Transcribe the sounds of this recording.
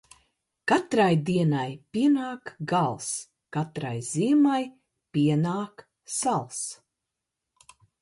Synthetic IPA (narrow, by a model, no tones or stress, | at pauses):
kat̪ɾajd̪iɛnajpʲiɛnaːkɡalˠs | kat̪ɾa̰jziɛmaj | pʲiɛnaːk | salˠs